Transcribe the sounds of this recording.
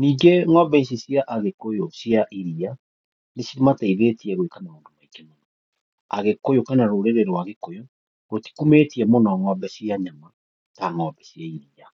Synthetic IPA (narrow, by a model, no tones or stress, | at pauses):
niːɡeŋɔbɛisisiaʔaɣekojosiaʔiɾia | nesiɾimataiðetiɛɣwekanaondomaikemona | a̰ɣekojokanaɾoɾeɾeɾwaɣekojɔ | ɣoti̥kumetiɛmonaŋwɔbɛsiaɲama | taŋɔbɛsjaiɾia